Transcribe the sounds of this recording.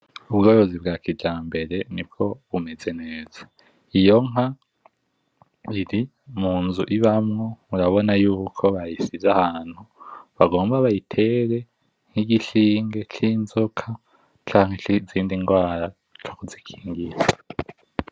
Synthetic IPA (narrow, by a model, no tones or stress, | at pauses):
uβɡoɾozibɡaːkiɟaːmbe̞ɾe̞nib̚ɡo̞βume̞ze̞ne̞ːz̥a | ijo̞ŋɦa | iɾi | muːnzuʔiβamŋouɾaβo̞najuːkʰo̞βajisizahaːn̥huβaɡo̞ːmbaβajitʰe̞ːɾe̞ | ŋ̥hiɡiʃiːŋɡe̞t͡ʃiːnzokʰa | t͡ʃaːŋhe̞ziːndiŋɡwaːɾa | t͡ʃʰokuzikʰi̥ːŋɡiɾa